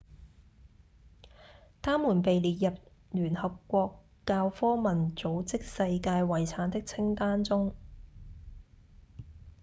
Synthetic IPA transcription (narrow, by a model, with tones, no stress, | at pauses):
t̪ʰaː˥mːuː˨˩npe˨jliː˨t̚jɐ˨p̚ | lyː˨˩nhɐ˨p̚kʷɔː˧kː | aː˧wfɔː˥mɐ˨˩nt͡so˨˥wt͡sɪ˥k̚sɐ˧jkaː˧jwɐ˨˩jt͡sʰaː˨˥nt̪ɪ˥k̚t͡sʰɪ˥ŋt̪aː˥nt͡sʊ˥ŋ